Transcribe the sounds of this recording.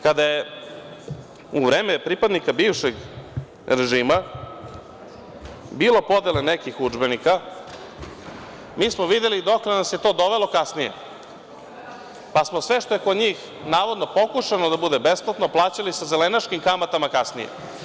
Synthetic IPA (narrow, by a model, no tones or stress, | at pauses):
kad̪aje | uʋɾeːmepɾipad̪nikabiːʋʃeɡ | ɾe̞ʒiːma | biːlo̞po̞d̪elenekixud͡ʒbe̞nika | miːsmoʋid̪elid̪o̞klenasje̞t̪o̞ːd̪o̞ʋe̞lo̞kasnije̞̰ | pasmo̞sʋe̞ʃt̪o̞je̞kod̪ɲiːx | naːʋod̪no̞po̞kuʃanod̪abud̪e̞besplat̪noplˠaːt͡ɕalisazelenaʃkimkamat̪amakasnijḛ